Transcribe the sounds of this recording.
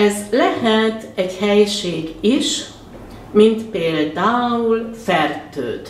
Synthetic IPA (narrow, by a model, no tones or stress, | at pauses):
ɛzlɛɦɛt̪ɛɟhɛjʃeːɡiʃ | mint̪peːld̪aːulfɛrt̪ø̰ːt̪